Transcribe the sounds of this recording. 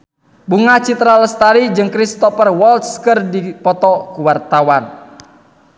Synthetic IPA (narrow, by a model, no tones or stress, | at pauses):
buŋat͡ʃit̪ɾaləst̪aɾid͡ʒɨŋkɾist̪ɔpərwɔlt̪skərdipɔt̪ɔkuwart̪awan